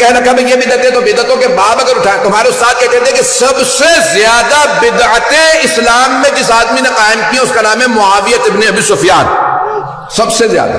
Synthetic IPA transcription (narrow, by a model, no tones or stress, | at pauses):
kɛɦɾɐkʰabejebɪd̪ət̪ẽt̪obɪd̪ət̪õkebaːbɐɡəɾʊʈʰat̪ʊmaːɾeʊst̪aːt̪̚kɛɦd̪ẽːt̪ẽkesɐbsezjaːd̪abɪd̪ʕət̪ẽɪslaːmːẽd͡ʒɪsaːd̪minẽqaːɪmkiẽʊskanaːmẽmʊaːʋijət̪ɪbneɐbisʊfijaːn | sɐbsezja̰ːd̪a̰